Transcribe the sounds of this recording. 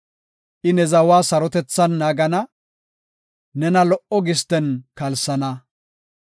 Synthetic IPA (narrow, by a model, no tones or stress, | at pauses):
ʔɪnɛzɐwaːsɐɾɔt̪ɛt͡sːɐnːaːɡɐnɐ | nɛnɐlɔʔɔɡɪst̪ɛnkɐlsɐnɐ